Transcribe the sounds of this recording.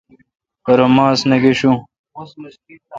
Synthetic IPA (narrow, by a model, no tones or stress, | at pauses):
pɐɾomaːsnɐɡeɕũ